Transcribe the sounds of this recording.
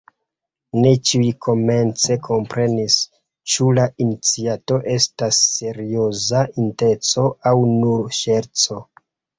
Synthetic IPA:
ne̞t͡ʃiuikʰo̞me̞nt͡se̞kʰo̞mpɾe̞nis | t͡ʃulainit͡siato̞ʔe̞stasːe̞ɾio̞zaʔinte̞t͡so̞awnuɾʃe̞ɾt͡so̞

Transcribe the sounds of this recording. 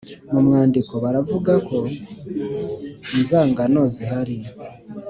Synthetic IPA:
mumŋaːndiko̞βaɾavuɡakʰo̞ | inzaːŋɡano̞ːziɦaɾi

